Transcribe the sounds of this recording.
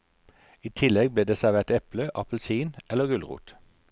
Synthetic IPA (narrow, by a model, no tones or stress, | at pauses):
iːt̪ʰɪlɛɡ̚bleːd̪eːsæʁʋeːʁt̪ɛpləʔɑpl̩siːnɛləɡʉlʁṵːt̪